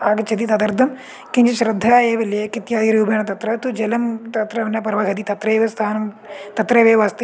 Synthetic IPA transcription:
aɡt͡ʃɐd̪it̪ɐd̪ɐɾd̪ʱɐm | kɪ̃nd͡ʒɐʃɾɪd̪ʱːaːeːʋɐljekɪt̪jaːd̪iɾɐjuːbʱeːɳ̃t̪ɐt̪ɾɐt̪ud͡ʒɐlɐmt̪ɐt̪ɾɐʋɐnaːpɐɾʋakɐd̪iːt̪ɐt̪ɾɐeːʋest̪ʰaːnɐm | t̪ɐt̪ɾɐʋeːʋaːst̪

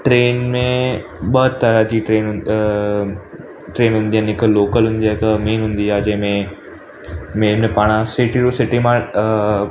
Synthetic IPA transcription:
ʈɾeːnmẽɓət̪ːəɾad͡ʑiʈɾeːn | ʈɾeːnɦʊ̃nd̪ijanɪkloːkəlɦʊ̃nd̪iaːɪkmeːnɦʊ̃n̆d̪iaːd͡ʑɐ̃ɦɪ̃mẽ | meːɾnepaːɽ̃ãsɪʈiɾosɪʈimã

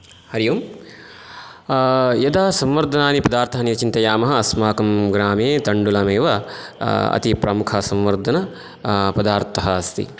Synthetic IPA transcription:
hɐɾijum | jɐd̪aːsɐ̃mʋɐɾd̪ʱɐnaːnipɐd̪aːɾt̪ʰɐɦɐnit͡ʃint̪ɐjaːmɐɦɐːɐsmaːkɐmɡɾaːmeːt̪ɐɳɖulɐmeːʋɐ | ɐ̰t̪ipɾɐmukʰɐsɐmʋɐɾd̪ʱɐnɐ | pɐd̪aːɾt̪ʰɐɦɐːst̪ḭ

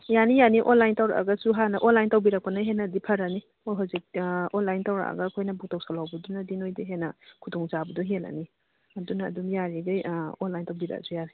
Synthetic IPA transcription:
janijaniʔonlajntawɾa̰ʔa̰ɡɐsuɦanɐʔonlajntawbiɾak̚pɐnaɦenɐdipʰɐɾani | ojɦawzik̚onlajntawɾa̰ʔa̰ɡɐkʰojnɐbuk̚taw̚salawbɐdunɐdinojdiɦenɐkʰudɔŋt͡ʃabɐdɔɦela̰ni | ɐdunɐ̰ːdumjaɾiɡɐjonlajntawbiɾa̰a̰sujaɾaj

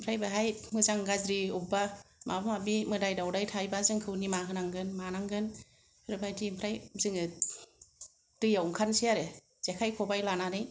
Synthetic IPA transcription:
mpʰɾajbaɦajmɯzaŋɡazɾiubamabamabimɯdajdawdajtʰajbazɯŋkʰɯwnimakʰɯnaŋɡɯnmanaŋɡɯn | pʰɯɾɯbʰajtʰimpʰɾajzɯŋɯ | tɯjawŋkʰansijaɾe | z̥ekʰajkʰɔbajlananɯj

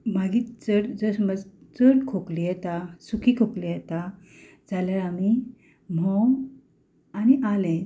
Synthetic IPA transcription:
maɡiːt͡səɽd͡zəsməd͡zt͡səɽkʰoklijɛt̪asukʰikʰoklijɛt̪a | d͡zaljaɾami | m̤ɔw | aniʔalɛ̃

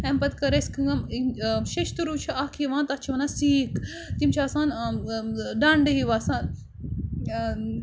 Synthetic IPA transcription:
ɛmpɐt̪kɐɾeskɨŋɡɐmiʃeʃt̪uɾut͡ʃʰɐʔɐkʰiʋãːnt̪ɐt͡ʃʰiʋɐnasiːk | t̪imt͡ʃʰiaːsaːn | ɖãːɳɖɐɦiʋaːsaːn

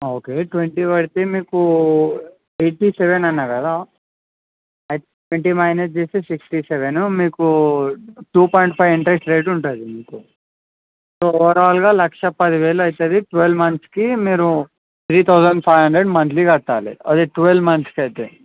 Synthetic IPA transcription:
oːkeːʈʋeɳʈiːʋɐɽt̪eːmiːku | eːʈiːseʋenɐnːaːkɐd̪aː | ɐjt̪eʈʋeɳʈiːmɐjnɐst͡ʃeːseːsiksʈiseʋenumiːku | ʈuːpɔːjɳʈ̚pʰɐjʋiɳʈɾesʈɾe̞ːʈuɳʈuad̪imiːku | soːɔʋɐɾaːlɡaːlɐkʂɐpɐd̪iʋeːlɐɐjt̪ed̪iʈʋelmɐnt̪skimiːɾu | t̪ʰɾiːt̪ʰɐwsɐɳɖpʰɐjʋɦɐɳɖɾeɖmɐnt̪ʰliːkɐʈːaːlḭɐ̰d̪eʈʋelmɐnt̪skiɐjt̪e

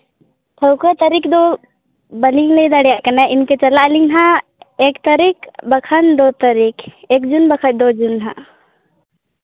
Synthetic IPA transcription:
t̪ʰəwkət̪əɾikd̪o | bəliŋled̪əɽjakənɛʔɪnket͡ʃɐlaliŋɦãeːkt̪əɾikbəkʰənd̪ot̪əɾikeːkd͡ʒunbəkʰət̪̚d̪od͡ʒunɦã̰

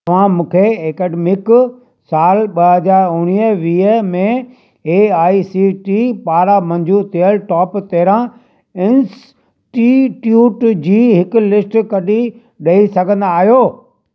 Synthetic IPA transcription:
ɐʋ̤ãmũːkʰeeːkɛːɖemɪk | saːlɓɐɦɐd͡ʑaːɾʊɽ̃ijəʋiːəmẽ | eːaːisiʈipaːɾamɐ̃ɲd͡ʑʱut̪ʰijəlʈɔːpt̪eːɾã | ɪns | ʈiʈjuːʈd͡ʑiːɦɪkʊ̆lɪsʈkɐɗi | ɗɐisɐɡʱə̃nd̪aːɦijoː

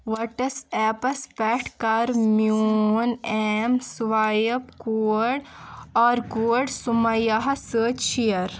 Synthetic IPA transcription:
ʋɐʈɐsɛːpɐspɛʈʰkɐɾmjunemsʋaːjɐpkuɽɔːɾɡuɖsumɐjaɦɐsəːt͡ʃʃijɐɾ

